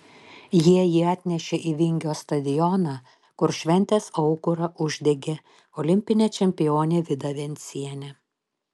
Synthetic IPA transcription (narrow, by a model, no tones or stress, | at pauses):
jiɛjiɑːt̪ʲnʲɛʃʲeʔiːʋʲɪŋʲɡʲoːst̪ɐd̪ʲɪjɔnɑ | kʊɾʃʲʋʲɛnʲt̪ʲeːsɐʊkʊɾɐʔʊʒʲd̪ʲɛɡʲeː | ɔlʲɪmʲpʲɪnʲeːt͡ʃʲɛmʲpʲɪjoːnʲeːʋʲɪd̪ɐʋʲɛnʲt̪sʲiɛnʲɛ